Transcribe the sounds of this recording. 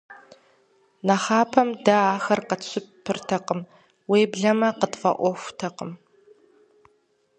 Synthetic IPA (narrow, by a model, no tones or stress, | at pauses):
nɐχɑːpʰɐmdɐaːxɐrqəɕʰʷɪppʰːɨrtʰɐqəm | weːbɮɐmɐqətʼfɐ̰ʔʷɔxʷtʰɐqəm